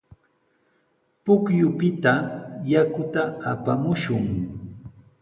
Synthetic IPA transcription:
pʊkjʊpɪt̪ajakʊt̪aapamʊʃʊŋ

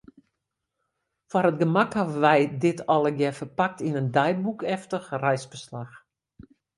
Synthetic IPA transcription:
fwaɾət̚ɡəmakhavəʋɛjdɪtʰɔlˠəɡjɛfərpak̚tinəndɛj̚bukʰɛftəxrɛjsbəslax

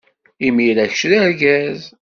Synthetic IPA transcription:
imiɾæçʃɾæɾɡæz

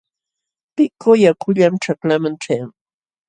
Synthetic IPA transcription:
pɪkʰojakʰʊʎamʈ͡ʂaklamanʈ͡ʂajaŋ

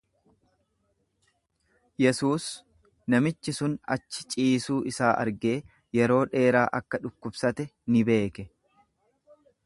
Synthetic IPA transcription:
jɛsuːs | nɐmɪt͡ʃːɪsʊnɐt͡ʃːɪ̥t͡ʃʼiːsuːʔɪsaːʔɐ̰ɾɡe̞ː | jɛɾo̞ːᶑe̞ːɾaːʔɐkːɐᶑʊkːʊbsɐt̪ɛnɪbe̞ːkɛ

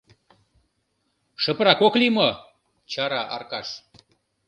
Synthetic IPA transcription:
ʃə̆prɾɑkoklimo | t͡ɕɑɾɑʔɑ̰rkɑʃ

